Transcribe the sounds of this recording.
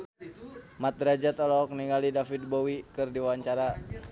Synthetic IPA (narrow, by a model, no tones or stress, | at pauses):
mat̪̚ɾad͡ʒat̪ɔlɔk̚niŋalidafid̪̚bowikɨrdiwawaɲt͡ʃaɾa